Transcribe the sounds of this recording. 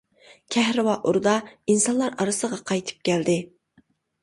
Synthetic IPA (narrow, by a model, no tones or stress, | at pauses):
kʲʰɛhɾɨwɑʔuɾd̪ɑinsɑnlˠɑɾɑɾɨsəʁɑqʰɑjt̪ʰɨ̥p̚kʲæld̪ɪ